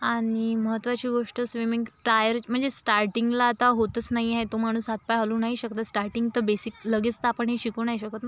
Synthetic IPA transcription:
aɽ̃iməɦət̪ʋat͡ɕiːɡoʂʈəsʋimiŋɡʈɾajəɾm̤əɳd͡zesʈaɾʈiŋɡlaːt̪aɦot̪ət͡snaɦiaɦet̪om̤aɽ̃ũːsɦat̪̚pajɦalũːnaɦiɕəkt̪asʈaɾʈiŋɡt̪əɾbesikləɡet͡st̪apəɳɦeɕikuːnaɦiɕəkət̪

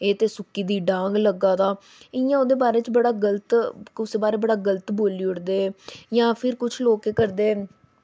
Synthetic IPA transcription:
eːt̪eːsʊkːiːd̪iːɖãːŋɡləɡaːd̪aː | ɪjãːod̪eːbaːɾeːt͡ʃbəɽaːɡələt̪ʊseːbaːɾeːbəɽaːɡələt̪boːliːʊɽd̪eːjãːpʰɪɾkʊt͡ʃʰloːkeːkəɾd̪eː

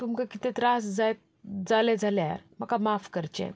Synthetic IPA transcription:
t̪umkakit̪ɛt̪ɾasd͡zaj̪ | d͡zaled͡zʱaleaɾməkamafkəɾt͡ɕḛ̃

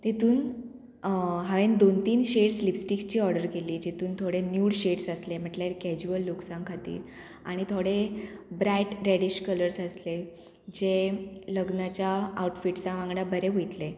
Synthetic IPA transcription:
t̪et̪uːn | ɦaʋend̪ont̪iːnɕeɽslipsʈikst͡ɕiːɔɾɽəɾkeliːd͡ʑet̪uːnt̪ʰoɽenjuːɽɕeɽsəslem̤əʈlaɾkɛd͡ʑuəlːuksãŋkʰat̪ḭːɾ | a̰ɽ̃it̪ʰoɽebɾajʈɾeɽiɕkələɾsəsle | d͡ʑeləɡnat͡ɕjaːuʈfiʈt͡saʋãŋɡɽabəɾeɦojt̪le

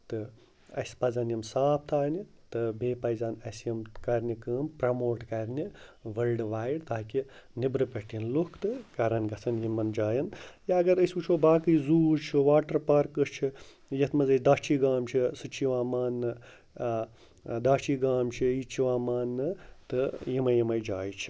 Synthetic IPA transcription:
t̪ɨ | ɐ̰sʲpɐzɐnjɐmsaːp̚ʰt̪ʰaːnʲi | t̪ɨbeːpɐjzaːnɐsjɐmkɐɾʲnʲikɨːmpɾɐmoːʈkɐɾʲnʲiʋɐlɖʋaːjiɽt̪ʰaːkinibɾɨpʲɐʈinlukʰt̪ɨkɐɾɐnɡɐt͡sʰɐnjimɐnd͡ʒaːjɐnjaɐɡɐɾəsʲut͡ʃʰoːbaːkɨzuːt͡ʃʰiʋaːʈɐɾpɐɾkɨst͡ʃʰi | jɐt̪ʰmɐzɐd̪aːt͡ʃʰiːɡaːmt͡ʃʰisɨt͡ʃʰiʋaːmaːnːɨ | d̪aːt͡ʃʰiːɡaːmt͡ʃʰiit͡ʃʰiʋaːmaːnːɨt̪ɨjimɐjimɐjd͡ʒaːjt͡ʃʰi̥

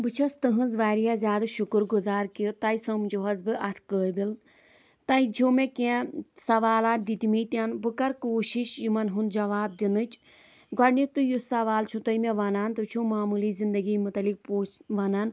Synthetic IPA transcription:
bɨt͡ʃʰɐst̪ɨɦɨ̃nzʋaːɾijazʲjaːd̪ɨʃukɨɾɡuzaːɾkit̪ɐjsɐmd͡ʒoɦɐzbɨʔɐt̪ʰkəːbil | t̪ɐid͡ʒʰomekẽsɐʋaːlaːt̪̚d̪it̪imiːt̪ʲɐnbɨkɐɾkoːʃiʃjimɐnɦund͡ʒɐʋaːb̚d̪inɨt͡ʃ | ɡɐɖnit̪ɨjusɐʋaːlt͡ʃʰut̪ɐimeʋɐnaːnt̪ɨt͡ʃʰumaːmuliːzind̪ɐɡiːmut̪ɐlik̚poːt͡ʃʋɐnɐn

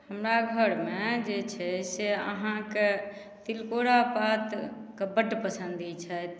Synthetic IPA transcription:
həmɾaɡʱəɾmed͡ʒet͡ʃʰɛseə̰ɦãke | t̪ilkoɽapat̪kebəʈpəsənd̪ʱit͡ʃʰɛt̪

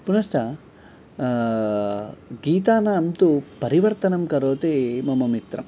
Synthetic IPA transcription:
punɐsʈɐ | ɡiːt̪aːnaːmt̪upɐɾiʋɐɾt̪ɐnɐmkɐɾoːt̪emɐmɐmit̪ɾɐ̰m

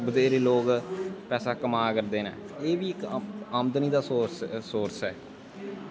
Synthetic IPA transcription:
bəd̪eːɾeːloːkpɛːsaːkəmaːkəɾd̪eːnã̰ːeːʋiːɪkaːmd̪əniːd̪aːsoːssoːɾsɦɛː

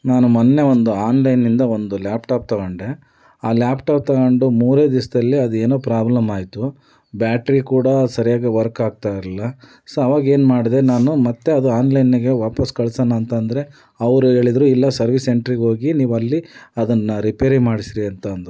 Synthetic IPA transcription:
naːnumɐnːe̞ond̪uaːnlɐjnːind̪ɐond̪uljaːpʈaːp̚t̪ɐɡoɳɖe | aːljaːpʈaːp̚t̪ɐɡoɳɖumuːɾeːd̪isd̪ɐlːiɐd̪ue̞ːnoːpɾaːblɐmaːjt̪u | bjaːʈɾikuːɽɐsɐɾijaːɡɐʋɐɾkaːɡ̚t̪aːjɾilːɐ | sɐɐʋaːɡɐe̞ːnmaːɽid̪e̞naːnumɐt̪ːe̞ɐd̪uaːnlɐjniɡe̞ʋaːpɐskɐɭsɐːnɐːnt̪ɐnd̪ɐɾe̞ | ɐʋɐɾuɦe̞ːɭid̪ɐɾuilːɐsɐɾʋise̞ɳʈɾiɡɦo̞ːɡiniːʋɐlːiɐd̪ɐnːɐɾipeːɾimaːɽisɾiɐnt̪ɐːnd̪u

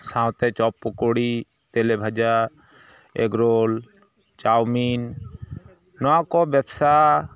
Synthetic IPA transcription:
sãw̃t̪ɛt͡ʃɔpːɔkoɽi | t̪elebʱad͡ʒa | ḛɡɾol | t͡ʃawmin | ɔakɔbɛbsa

